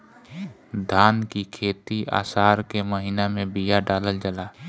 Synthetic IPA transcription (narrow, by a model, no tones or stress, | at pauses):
d̪ʱaːnkikʰeːt̪iʔa̰ːsaːɾkeməɦiːnamẽbijaɖaːləld͡ʒəlaː